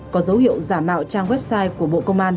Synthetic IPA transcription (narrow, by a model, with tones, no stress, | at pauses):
kɔ˨˦zə˨˦whḭ˧˨əwzaː˧˩mːa̰ː˧˨wt͡ɕaː˧ŋwɛ˦˥p̚saː˧jku˧˩əɓo̰˧˨kə˧wŋ͡mʔaː˧n